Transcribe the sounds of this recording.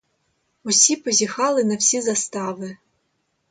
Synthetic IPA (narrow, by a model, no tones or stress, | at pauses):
ɔsʲipɔzʲixɑlˠɪnɐwsʲizɐst̪ɑʋɪ